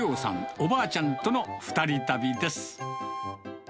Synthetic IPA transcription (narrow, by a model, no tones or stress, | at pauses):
o̞ːsã̰ŋobaːt͡ɕãnt̪o̞no̞ɸɯ̥t̪aɾʲit̪abʲid̪e̞sɨ̥